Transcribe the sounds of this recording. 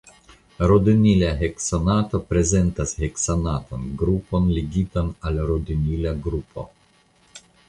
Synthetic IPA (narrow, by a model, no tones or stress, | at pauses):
ɾod̪inilaɦeksonat̪opɾezent̪asheksanat̪o̰nɡɾuponliɡit̪analɾod̪inilaɡɾupʰo̰